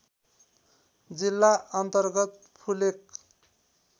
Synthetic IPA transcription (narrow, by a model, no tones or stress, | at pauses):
d͡zilːaʌnt̪ʌrɡʌt̪̚ | pʰulek